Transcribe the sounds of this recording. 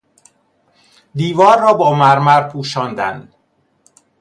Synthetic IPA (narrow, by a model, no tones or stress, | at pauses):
d̪iːvɒːɾːɒːbɒːmæɾmæɾpʰuːʃɒːnd̪æ̰nd̪